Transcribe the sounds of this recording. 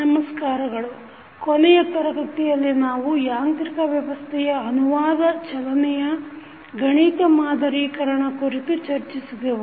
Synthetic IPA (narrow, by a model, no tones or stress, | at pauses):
nɐmɐskaːɾɐɡɐɭu | konɛjɐp̪ɐɾɐɡɐt̪ijɐlːinaːʋujaːnt̪ɾikɐʋjɐʋɐst̪ʰɛjɐːnuʋaːd̪ɐt͡ʃɐlɐnɛjɐ | ɡɐɳiːt̪ɐmaːd̪ɐɾiːkɐɾɐɳɐkuɾit̪ut͡ʃɐɾt͡ʃisid̪eʋu